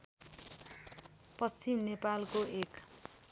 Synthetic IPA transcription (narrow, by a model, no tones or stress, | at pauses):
pʌst͡ʃimnepalkoek